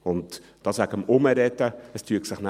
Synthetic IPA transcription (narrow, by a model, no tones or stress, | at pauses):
ʊntd̥ɑsʋækəmʊməɾɛtːəəstʰyəksɪχnæ